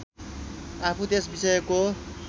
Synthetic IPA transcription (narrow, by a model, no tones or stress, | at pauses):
apʰut̪esbisʌjko